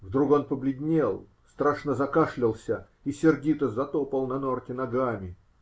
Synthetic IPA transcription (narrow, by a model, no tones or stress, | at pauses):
vd̪ɾuko̞npəblʲɪdʲnʲelˠ | st̪ɾaʂnəzɐkaʂlʲɪlˠsʲə | isʲɪrɡʲit̪əzɐt̪opəlˠnɐnortʲɪnɐɡamʲɪ